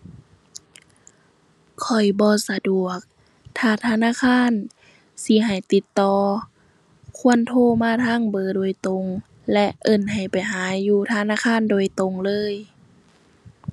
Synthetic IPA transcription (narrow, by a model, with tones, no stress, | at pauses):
kʰɔ˨˩jbɔː˧˦sa˧du˨˩ək̚ | t̪ʰaː˧˩t̪ʰaː˧˨naː˧˥˨kʰaː˧˥˨n | si˧˦ɦa˨˩jt̪i˧˦t̪ːɔː˧ | kʰu˧˥˨ənt̪ʰoː˧˥˨maː˧˥˨t̪ʰaː˧˥˨ŋbɤː˧˦doː˨˩əjt̪o˨ŋ | lɛ˧ʔʔɤ˧˩nɦa˨˩jpa˨˩jɦaː˨˦jːuː˧t̪ʰaː˧˨naː˧˥˨kʰaː˧˥˨ndoː˨˩əjt̪o˨˧˩ŋlɤː˧˥˨j